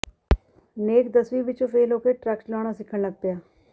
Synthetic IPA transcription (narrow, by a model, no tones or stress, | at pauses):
neːkd̪əsʋiːʋɪt͡ʃõːpʰeːloːkeːʈɾɛːkslɔːɽ̃aːsɪkʰːəɳləɡ̚pɪjaː